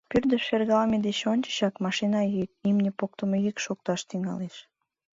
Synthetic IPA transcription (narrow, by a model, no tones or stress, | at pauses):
pyrd̪əʃferɣɑmed̪et͡ɕonʲt͡ɕə̥ɕɑkmɑʃinɑikimnʲepok̚t̪əmejikʃok̚t̪ɑʃt̪iŋɑ̰leʃ